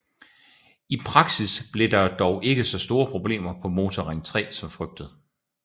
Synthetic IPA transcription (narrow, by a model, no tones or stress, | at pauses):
ipʰʁɑ̈ɡ̥sisb̥le̝d̥ɑ̈d̥ɒʊʔe̝ɡ̥əsɒ̽sd̥o̝ːɐpʰʁo̝b̥le̝̰ːmɐpʰɒ̽mo̝ːt͡sʰɒʁaŋt͡sʰʁɛ̰ːsɒ̽mfʁœɡ̥̚d̥ð̞̩ˠ